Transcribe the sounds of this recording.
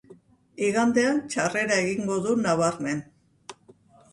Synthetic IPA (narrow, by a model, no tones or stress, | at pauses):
iɣand̪e̞ant͡ʃare̞ɾae̞ɣiŋɡo̞ðunaβaɾme̞n